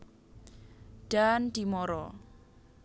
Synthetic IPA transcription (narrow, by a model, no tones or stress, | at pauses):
ɖ̥and̪̥imɔɾɔ̰